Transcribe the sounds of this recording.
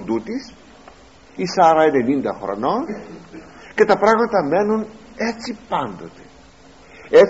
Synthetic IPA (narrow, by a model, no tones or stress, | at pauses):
nd̪ut̪is | isɐɾɐene̞nind̪ɐxɾo̰no̞n | ce̞t̪ɐpɾɐɣmɐt̪ɐme̞nun | e̞t͡sipɐnd̪o̞t̪e̞̥ | e